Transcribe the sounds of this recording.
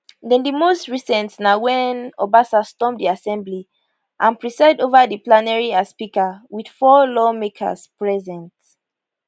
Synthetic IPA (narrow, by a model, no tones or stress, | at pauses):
ðɛ̃ndimostɹisɛ̃ntnawɛ̃nɔbasastɔ̃mdiasɛ̃mbli | ʔãnpɹisɛdovəðiplanɛɹiaspikəwid̥fɔlɔmekʰə̰spɹɛzɛ̃nt